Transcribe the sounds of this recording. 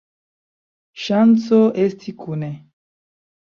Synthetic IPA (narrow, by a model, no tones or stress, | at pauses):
ʃant͡soʔestʰikʰune